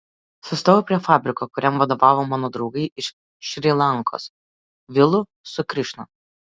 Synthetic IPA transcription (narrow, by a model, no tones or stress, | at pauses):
sʊst̪oːʋopʲɾʲiɛfɑːbʲɾʲɪkoːkʊɾʲɛmʋɐd̪oːʋɑːʋoːmɑːnoːd̪ɾɒʊɡɐɪʔɪʃ | ʃʲɾʲilˠɑˑŋko̰ːs | ʋʲɪlˠʊ | sʊkɾʲɪʃno